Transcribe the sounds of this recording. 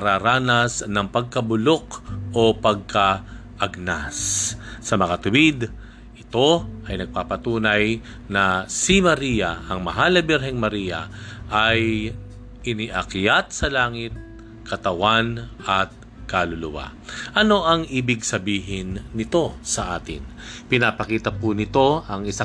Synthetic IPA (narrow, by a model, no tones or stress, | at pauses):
ɐɾaːɾaːnɐsnɐŋpɐɡ̚kɐbʊlo̞kʔo̞pɐɡ̚ka | ʔɐɡ̚nasːɐmɐŋat̪ʊwid̪ | ʔɪt̪o̞ʔɐjnɐɡ̚paːpɐt̪uːnɐj | nɐsimɐɾijɐʔɐŋmɐɦalɐbɛɾɦɛŋmɐɾijɐ̰ʔaj | ʔɪniʔɐkjat̪̚sɐlaːŋɪt̪̚ | kʰɐt̪ɐwanʔɐt̪̚ | kalʊlʊwa̰ | ʔɐno̞ʔɐŋʔibɪɡsɐbiːɦɪnːɪt̪o̞sɐʔa̰ːt̪ɪ̰n | pɪnapɐkiːt̪ɐpʊnɪt̪o̞ʔɐŋɪsa